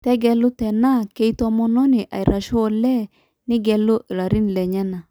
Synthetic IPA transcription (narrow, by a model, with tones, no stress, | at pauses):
tɛ˦ɡɛ˨lʊ˦tɛ˨na˦˨ke˦i˦tɔ˦mɔ˦nɔ˦nɪ˨ʔa̰˨i˨ɾa˨ʃʊ˦ɔ˦lɛ˦ | nɪ˦ɡɛ˨lʊ˦ʔɪ˨ɾa˨ɾi˦n˨lɛ˨ɲɛ˦na˨